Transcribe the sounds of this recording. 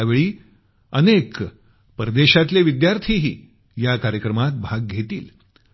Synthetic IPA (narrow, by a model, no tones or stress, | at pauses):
aʋeɭiː | ənek | pɾəd̪eɕat̪leʋid̪jaɾt̪ʰiɦiː | jakaɾjəkɾəmat̪̚bʱaɡ̚ɡʱet̪ḭːl